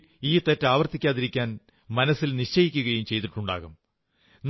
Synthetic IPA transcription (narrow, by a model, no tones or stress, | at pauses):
iːt̪etːaːʋɐrt̪ikʲːaːðiɾikʲːaːn | mɐnɐsːilniʂt͡ɕɐjikʲːuɣɐjumt͡ɕe̞jt̪iʈːuɳɖa̰ːɣum | n